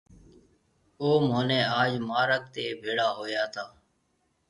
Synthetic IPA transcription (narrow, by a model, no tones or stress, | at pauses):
oːmoːneːaːd͡ʒmaːɾək̚t̪eːbʱeːɽaːɦoːjaːt̪ʰaː